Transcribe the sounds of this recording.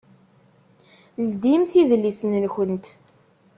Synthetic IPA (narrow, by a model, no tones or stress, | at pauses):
ld̪imθiðlisənlçənt̪